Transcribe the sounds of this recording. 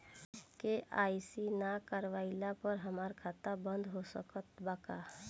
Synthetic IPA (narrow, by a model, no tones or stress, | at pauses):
keaːisinakəɾʋaɪlapəɾɦəmaːɾkʰaːt̪abə̃nd̪ɦosəkət̪baːka